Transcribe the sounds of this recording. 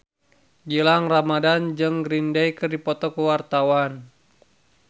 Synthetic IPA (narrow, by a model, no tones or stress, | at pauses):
d͡ʒilaŋramadand͡ʒɨŋɡɾindɛjkərdipɔt̪ɔkəwart̪awan